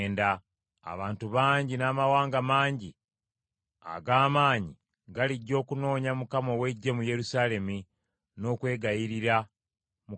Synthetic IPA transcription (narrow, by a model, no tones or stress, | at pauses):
nda | a̰βaːntuβaːɲɟinaːmawaːŋɡamaːɲɟi | a̰ɡaːmaːɲi | ɡaliɟːo̞ːkuno̞ːɲamukamo̞we̞ɟːe̞muje̞ɾusaːle̞mi | no̞ːkwe̞ːɡajiɾiɾa | mu